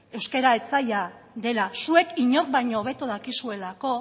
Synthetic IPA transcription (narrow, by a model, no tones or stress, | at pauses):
e̞wske̞ɾae̞t͡saja | ðe̞lasue̞kiɲo̞rbajɲo̞ːβ̞e̞t̪oðakisue̞lako̞